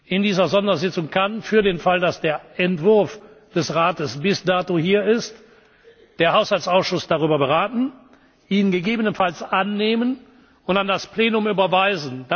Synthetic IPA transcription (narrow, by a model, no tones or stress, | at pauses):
ʔɪndiːzɐzɔndɐzɪt͡sʊŋkʰanfyːɐdeːnfaldasd̥eːɐɛntv̥ʊɐf | d̥ɛsʁaːtəsb̥ɪsdaːtohiːɐɪst | d̥eːɐhaʊshalt͡saʊsʃʊsd̥aʁyːbɐbəʁaːtn̩ | ʔiːnɡəɡeːbənənfalsʔanːeːmən | ʊntandaspleːnʊmyːbɐvaɪzn̩da